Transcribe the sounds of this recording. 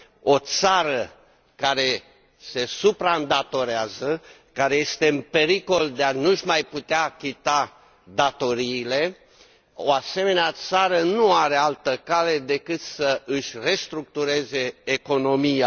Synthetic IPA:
o̞t̪saɾə | kaɾe̞ | se̞supɾaɨnd̪at̪o̞ɾeazə | kaɾe̞je̞st̪e̞ɨnpe̞ɾiko̞ld̪eanuʃmajput̪eakʲit̪a | d̪at̪o̞ɾiːle̞ | o̞̰ase̞me̞neat̪saɾənuaɾe̞alt̪əkale̞d̪e̞kɨt̪səʔɨʃʲre̞st̪ɾuk̚t̪uɾe̞ze̞ːko̞no̞mija

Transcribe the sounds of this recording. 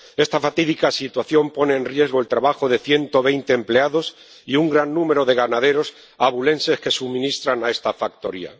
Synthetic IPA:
e̞st̪afat̪iðikasit̪waθjo̞mpo̞ne̞ːnrjezɣ̞oelt̪ɾaβaxo̞ðe̞θje̞nt̪o̞βe̞jnt̪eːmpleaðo̞s | iuŋɡɾanːũme̞ɾo̞ðe̞ɣ̞anað̞e̞ɾo̞s | aβule̞nse̞ske̞sumĩnist̪ɾanae̞st̪afak̚t̪o̞̰ɾḭa̰

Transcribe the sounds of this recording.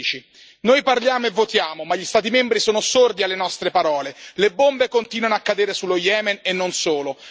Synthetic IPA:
it͡ʃi | nojparljaːmoevːot̪jaːmomaʎːist̪aːt̪̬imɛmbɾisoːnosord̪ialːenɔst̪ɾepaɾɔːlelebːombekont̪iːnwanoakːad̪eːɾesulːojɛːmɛnenːonsoːlo

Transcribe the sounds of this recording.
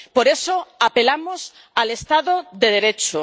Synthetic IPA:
poɾesoape̞lamos | alest̪aðoðeð̞eɾet͡ʃo

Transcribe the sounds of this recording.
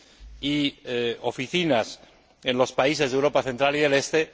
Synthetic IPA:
io̞fiθinas | ẽ̞nlo̞spaise̞zðewɾopaθent̪ɾaliðe̞le̞st̪e̞

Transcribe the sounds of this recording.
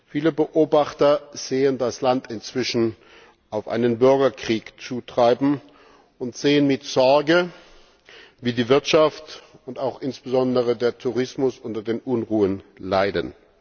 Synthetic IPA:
fiːləbəʔoːbaχtɐz̥eːəndaslantɪnt͡sv̥ɪʃn̩ | ʔaʊfʔa̰ɪnənbʏɐɡɐkʁ̥iːkt͡suːtʁ̥aɪbm̩ | ʊntz̥eːənmɪtz̥ɔɐɡə | viːdiːvɪɐtʃaftʊntaʊxʔɪnsb̥əzɔndəʁədeːɐtʰuʁ̞ɪsmʊsʔʊntɐdeːnʔʊnʁuːənlaɪdən

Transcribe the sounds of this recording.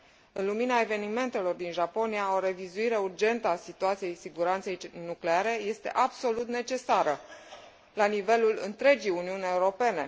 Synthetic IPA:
ɨnluminae̞ve̞nime̞nt̪e̞lo̞rd̪inʒapo̞nijao̞ɾe̞vizuiɾe̞urd͡ʒe̞nt̪əasit̪uat̪sije̞jsiɡuɾant̪se̞jnukle̞aɾe̞je̞st̪e̞̰ʔabso̞lut̪ne̞t͡ʃe̞saɾə | lanive̞lulɨ̰nt̪ɾe̞d͡ʒijuniunʲe̞uɾo̞pe̞ne̞

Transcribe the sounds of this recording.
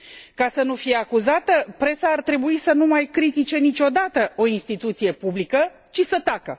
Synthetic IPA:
kasənufije̞akuzat̪əpɾe̞saːrt̪ɾe̞buisənumajkɾit̪it͡ʃe̞nit͡ʃʲo̞d̪at̪əo̞inst̪it̪ut̪sije̞publikə | t͡ʃisət̪akə̰

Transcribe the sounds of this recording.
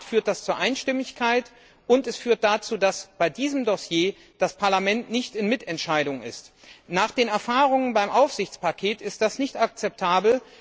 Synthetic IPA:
tfyːɐt̚d̥ast͡suːɐʔaɪnʃtɪmɪçkʰaɪt | ʔʊntɛsfyːɐt̚d̥at͡suːdasb̥aɪdiːzəmdɔsjeː | d̥aspʰaɐlamɛntnɪçtɪnmɪtʰɛntʃaɪdʊŋɪ̰st | naːχd̥eːnɛɐfaːʁʊŋənbaɪmʔaʊfz̥ɪçt͡spakʰeːtɪst̚d̥asnɪçtak̚t͡sɛp̚tʰaːbl̩

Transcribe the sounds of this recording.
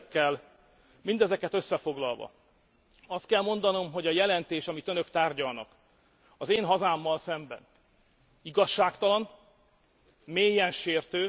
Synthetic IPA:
kːɛl | mind̪ɛzɛkɛt̪øsːɛfo̞ɡlɒlvɒ̰ | ɒst̪̚kɛlmo̞nd̪ɒno̞mɦo̞ɟɒjɛlɛnt̪eːʃɒmit̪ønøkt̪aːrɟɒlnɒ̰k | ɒzeːnɦɒzaːmːɒlsɛmbɛ̰n | iɡɒʃːaːkt̪ɒlɒn | meːjɛnʃeːrt̪øː

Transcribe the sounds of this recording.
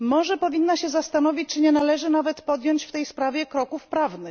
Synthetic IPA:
mɔʐɛpɔvʲinːaɕɛzast̪anɔvʲit͡ɕt͡ʂɘɲɛnalɛʐɘnavɛt̪pɔd̪jɔɲt͡ɕft̪ɛjspɾavʲjɛkɾɔkufpɾavnɘx

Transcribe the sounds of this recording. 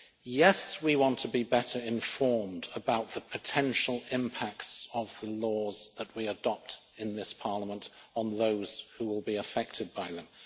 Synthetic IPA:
jɛswiwɑ̃ntʰəbibɛɾə˞ɪ̃ɱfɔɹmdəbaʊt̪̚ðəpʰɨtʰɛ̃nʃl̩ˠɪ̃mpʰæktsəvðəlɔzðəʔ̚wiɨdɑp̚t | ɨ̃nðɪspʰɑɹləmə̃ntn̩ðoʊz̥huwɪlˠbiɨfɛk̚tʰɨd̚baɪðə̃m

